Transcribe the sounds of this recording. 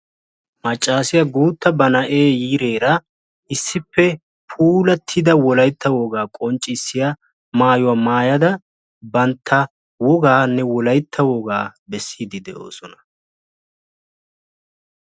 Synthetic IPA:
mɐt͡ʃʼːaːsɪjɐɡuːt̪ːɐbɐnɐʔeːjiːɾe̞ːɾɐ | ʔɪsːɪpːɛ | pʰuːlɐt̪ʰːɪd̪ɐwɔlɐjt̪ʰːɐwɔɡaːkʼɔnt͡ʃʼːɪsːɪjɐ | maːjʊwamaːjɐd̪ɐ | bɐnt̪ʰːɐ | wɔɡaːnːɛwɔlɐjt̪ʰːɐwɔɡaːbɛsːiːd̪ɪd̪ɛʔo̞̰ːsɔnɐ

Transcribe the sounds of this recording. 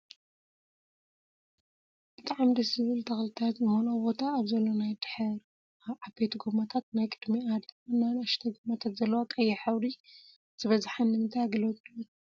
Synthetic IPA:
b̥ɨt̪ʼaʕamd̪ɐszɨβɨlt̪ʰɐxlɨt̪ʰat̪zɨmonobo̞t̪ʰaːβzɐlːonajd̪ħɐɾ | aβʕabejt̪ʰɡomat̪ʰat̪najkʼɨd̪miad̪ɨnːanɐʃt̪ʰɐɡomat̪ʰat̪zɐlːɐwak̪ʼɐjːɛħaβɾi | z̥ɨβɐzħanːɨmɨnt̪ʰajɡɨlot̪ʼɨ

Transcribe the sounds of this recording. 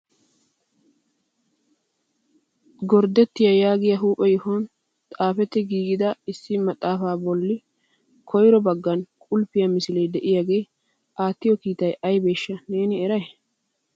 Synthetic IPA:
ɡɔɾd̪ɛt̪ːɪjɐjaːɡɪjɐɦuːpʼɛjɔhɔn | t̪ʼaːfɛt̪ːɛɡiːɡɪd̪ɐɪsːɪmɐt̪ʼːaːfaːbɔlːɪ | kʰɔjɾɔbɐɡːɐnkʼʊlpːɪjɐmɪsɪlejd̪ɛʔɪjaɡe̞ː | ʔaːt̪ːɪjɔkiːt̪ɐjɐjbe̞ːʃːɐne̞ːnɪɛɾɐj

